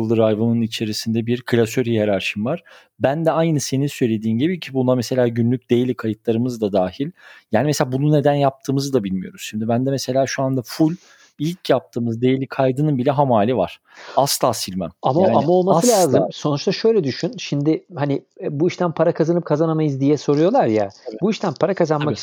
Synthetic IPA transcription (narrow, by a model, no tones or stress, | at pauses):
lˠd̪ɯɾajvɯnɯnit͡ʃʰe̞ɾisind̪ɛbiɾkʰɯlʲasøɾijeɾaɾʃɯmvaɾ̥ | bænd̪ɛajnɯse̞ninsø̞jlʲe̞d̪iːmɟibicʰibund̪amese̞lʲaːɟynlʲyc̚ʲd̪e̞jelʲikʰajɯt̪lˠaɾɯmɯzd̪ad̪aːɦilʲjaːnimeselʲaːbunune̞d̪ænjap̚t̪ʰɯːmɯzd̪abilʲmijo̞̰ɾuz̥ʃimd̪ibænd̪ɛmese̞lʲaːʃuand̪afulʲ | ilʲcʰjap̚t̪ʰɯːmɯzd̪e̞jelʲikʰajd̪ɯnɯnbilʲɛɦamaːlʲiva̰ɾ̥ | ast̪ʰˠaːsilʲmæ̰mamaaːnamao̞lˠmassɯlʲaːzɯmmso̞nut͡ʃt̪ʰaʃø̞jlʲɛd̪yʃynʃimd̪ɪhanɪbuiʃt̪ʰænpʰaɾakʰazanɯp̚kʰazanamajɯzd̪ijɛso̞ɾujo̞lˠaɾjabuiʃt̪ʰænpʰaɾakʰazanmai